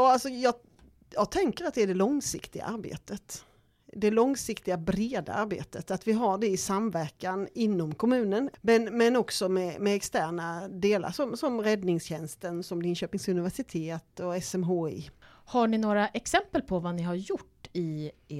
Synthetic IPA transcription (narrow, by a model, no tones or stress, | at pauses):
jɑːalsɔjɑː | jɑːɡt̪ʰɛŋkəɾat̪̚d̪ɛæɖɛlɔŋsɪ̰kt̪ɪɡa̰ʔaɾbḛːt̪ət̪ | d̪ɛlɔŋsɪkt̪ɪɡabɾeːd̪a̰aɾbḛːt̪ət̪at̪vɪɦaɖɛɪsamvæɾkanɪnːɔmkʰɔmʉ̟ːnənmɛnmɛnɔksɔmɛmɛɛkst̪æːɳad̪eːla̰ɾʂɔmsɔmɾɛd̪nɪŋsɕɛnst̪ənsɔmlɪnɕøːpɪŋsɵnɪvæʂɪt̪ʰeːt̪ɔɛsɛmɦoːɪ̰haɳɪnoːɾaʔɛksɛmpəlpʰɔvanɪɦaɾjʊʈːɪ